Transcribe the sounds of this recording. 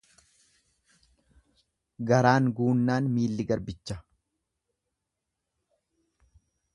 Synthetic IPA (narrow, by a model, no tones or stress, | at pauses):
ɡɐɾaːŋɡuːnːaːnmiːlːɪɡɐɾbɪt͡ʃːɐ